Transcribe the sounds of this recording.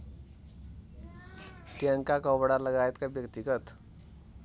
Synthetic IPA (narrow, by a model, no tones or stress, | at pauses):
t̪iəŋkakəbɽaləɡajt̪kabjəkt̪ikət̪